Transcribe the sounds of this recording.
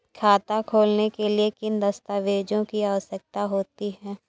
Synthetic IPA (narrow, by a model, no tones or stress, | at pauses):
kʰaːt̪akʰoːlnekeliekɪnd̪ɐst̪aːʋeːd͡ʒõkiaːʋəsək̚t̪aɦoːt̪iɦɛː